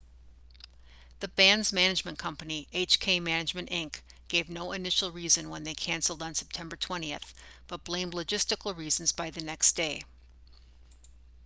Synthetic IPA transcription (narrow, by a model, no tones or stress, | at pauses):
ðɨbæ̃nzmænɨd͡ʒmɨ̃nkʰʌ̃mpɨniʔeɪt͡ʃkʰeɪmænɨd͡ʒmɨ̃nʔɪ̃ŋkɡ̥eɪvnoʊɨnɪʃl̩ˠɹizɨ̃nwə̃nðeɪkʰæ̃nsl̩ˠdn̩sɛ̥p̚tʰɛ̃mbə˞tʰw̥ɛ̃ɾ̃iɨ̰θb̥ʌt̚b̥lẽɪ̃mˡlɨd͡ʒɪstɨkl̩ˠɹizn̩zbaɪðɨnɛksd̥eɪ